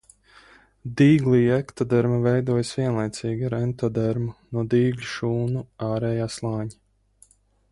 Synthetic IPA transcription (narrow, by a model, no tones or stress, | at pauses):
d̪iːɡlˠiːɛkt̪ɔd̪ɛɾmavɛjd̪uɔjsvʲiɛnlˠajt̪siːɡʲaɾɛnt̪ɔd̪ɛɾmunuɔd̪iːɡlʲuʃuːnuaːɾɛjaːslˠɑːɲi